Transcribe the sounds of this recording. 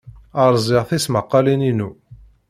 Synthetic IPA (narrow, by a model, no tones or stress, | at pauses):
əɾˤzˤɪʁθisməqːɑlininu